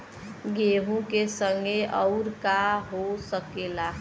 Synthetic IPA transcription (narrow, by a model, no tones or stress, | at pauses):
ɡeɦũkesəŋɡeʔəʊɾkaɦosəkela